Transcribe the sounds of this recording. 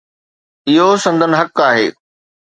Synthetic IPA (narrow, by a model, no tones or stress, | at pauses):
ɪɦosɐ̃nd̪ʱənɪ̆ɦɐkaːɦeː